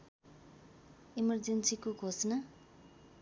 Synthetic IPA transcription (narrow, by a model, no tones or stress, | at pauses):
imʌrd͡zensikoɡʱosnʌ